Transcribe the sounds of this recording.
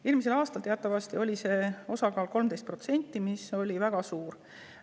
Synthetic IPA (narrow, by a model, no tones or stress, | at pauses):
eːlmis̬e̞lɑːst̪ɑlt̪e̞ɑt̪ːˑɑvɑst̪io̞lʲise̞ːo̞sɑkɑːlko̞lmt̪e̞jst̪pro̞t̪se̞nʲt̪ːˑimiso̞lʲivæɡ̥ɑsuːr